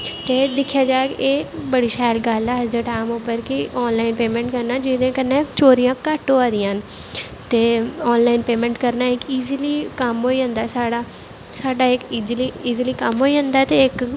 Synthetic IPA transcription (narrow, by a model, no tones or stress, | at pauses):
t̪eːd̪ɪkʰːjaːd͡ʒaːkeːbəɽiːʃaːjlɡəlɛːəd͡ʒd̪eːʈaːɪmopəɾkɪɔːnlaːɪnpeːmẽːɳʈkəɾnaːd͡ʒɪd̪ẽːkənːẽt͡ʃoːɾijãːkəʈːoːaːd̪ĩːãɦən | t̪eːɔːnlaːiːnpeːmɛ̃ːɳʈkəɾnaːɪkiːzliːkəmɦoːiɦə̃nd̪aːsaːɽaː | saːɖaːɪkid͡ʒliːiːziliːkəmɦoːiːɦə̃nd̪aːt̪eːɪk